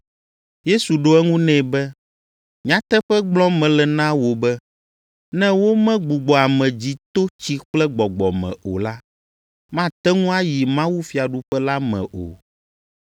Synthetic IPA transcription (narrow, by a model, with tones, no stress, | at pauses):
je˦su˨ɖo˦ɛ˦ŋũ˦nɛ̃˦˨bɛ˦ | ɲ˦ã˦t̪ɛ˦ɸɛ˦ɡ͡blɔ̃˦mɛ̃˨lɛ˨nã˦wo˨bɛ˦ | nɛ̃˦wo˦mɛ̃˦ɡ͡bu˨ɡ͡bɔ˨a˨mɛ̃˨d͡ʑi˦t̪o˦t͡ɕi˦k͡plɛ˦ɡ͡bɔ˨ɡ͡bɔ˨mɛ̰̃˨o̰˨la˦ | mã˦t̪ɛ˦ŋũ˦a˦ji˨mã˦wu˦fi˨a˨ɖu˦ɸɛ˦la˦mɛ̰̃˨ʔo̰˨